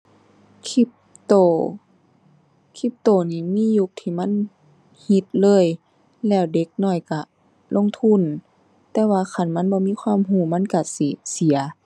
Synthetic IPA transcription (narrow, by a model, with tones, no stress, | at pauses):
kʰi˧˦p̚ | t̪o˧˨ | kʰi˧˦p̚t̪oː˧˨˩niː˧˩˨miː˧˥˨ju˧˦k̚t̪ʰiː˧˩ma˧˥˨n | hi˧˦t̪̚lɤː˧˥˨j | lɛː˧˩˨wde˧˦k̚nɔː˧˩jka˧˩ | lo˧˥˨ŋt̪ʰu˧˥˨n | t̪ɛː˧waː˧˨xʰa˧˩˨nma˧˥˨nbɔː˧˦miː˧˥˨kʰwaː˧˥˨mɦuː˧˩˨ma˧˥˨nka˧˩si˧˩si˨˦ɐ